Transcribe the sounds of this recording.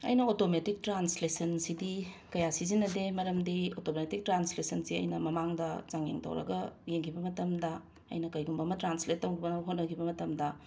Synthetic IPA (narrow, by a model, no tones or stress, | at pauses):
ɐ̰jnɐotometik̚tɾanslesɐnsidikɐjasizinːɐdemɐɾɐmdiotometik̚tɾanslesɐnsiɐ̰jnɐmɐmaŋdɐzaŋjḛŋtʰɐ̰wɾɐ̰ɡɐjeŋkʰibɐmɐtɐmdɐ | ɐ̰jnɐkɐjɡumbɐmɐtɾanslet̚ːɐwkʰibɐnɐɐɦot̚nɐkʰibɐmɐtɐmdɐ